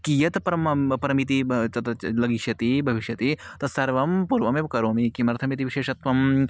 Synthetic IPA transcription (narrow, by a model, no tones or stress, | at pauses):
kijɐt̪pɾɐmpɐɾɐmit̪it͡ʃɐt̪ɐlɐɡiʃjɐt̪ibʱɐʋiʃjɐt̪it̪ɐsɐɾʋɐmpuːɾʋɐmeʋɐkɐɾoːmikimɐɾɐt̪ʰɐmit̪iʋiʃeːʃɐt̪ʋɐm